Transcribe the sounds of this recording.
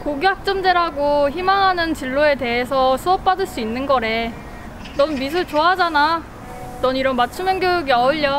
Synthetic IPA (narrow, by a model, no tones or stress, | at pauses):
koɡjak̚t͡ɕ͈ʌmd͡ʑeɾaɡoçimaŋɦanɯnt͡ɕiɭːoe̞te̞ɦesʰʌsʰuʌp̚p͈adɯɭs͈uinːɯnɡʌɾe̞ | nʌnmis̬ʰuɭt͡ɕoɦad͡ʑana | nʌniɾʌnmat͡ɕʰumjʌŋɡjoɡiʌɯʎːʌ